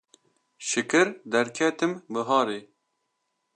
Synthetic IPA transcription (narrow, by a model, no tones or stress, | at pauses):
ʃɨkʰɨɾd̪ɛɾkʰɛt̪ɨmbɨɦɑːɾeː